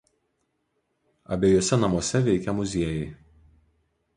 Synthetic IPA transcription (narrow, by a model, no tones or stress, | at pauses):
ɐ̰bʲeːjoɔsʲɛnɐmuɔsʲɛʋʲɛɪkʲɛmʊzʲiɛjɛɪ